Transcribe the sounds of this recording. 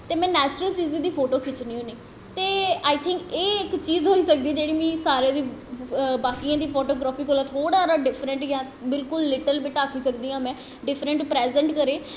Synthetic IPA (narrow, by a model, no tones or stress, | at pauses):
t̪eːmɛ̃ːnɛːt͡ʃɾəlt͡ʃiːzɪ̃ːd̪iːpʰoːʈoːkʰɪt͡ʃniːɦõːneː | t̪eːaːit̪ʰɪ̃ŋkeːɪkt͡ʃiːzɦoːiːsəkd̪iːd͡ʒeːɽiːmĩːsaːɾeːd̪iː | baːkijãːd̪iːpʰoːʈoːɡɾaːpʰiːkoːlaːt̪ʰoːɽaːɾaːɖɪpʰɾəɳʈjãː | bɪlkʊlːɪʈəlbiʈaːkʰiːsəkd̪iːɦãːmɛ̃ː | ɖɪpʰɾəɳʈpɾɛːzə̃ɳʈkəɾeː